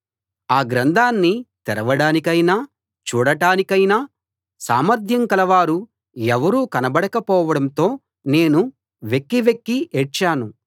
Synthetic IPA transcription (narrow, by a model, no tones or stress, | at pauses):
aːɡɾɐnd̪ʱaːnːit̪ɛɾɐʋɐɽaːnikɐjnaː | t͡ʃuːɽɐʈaːnikɐjnaː | sa̰ːmɐɾd̪ʱjɐŋkɐlɐʋaːɾu | ɛʋɐɾuːkɐnɐbɐɽɐkɐpɔːʋɐɽɐnt̪o̞ː | neːnu | ʋekːiʋekːiet͡ʃːaːnu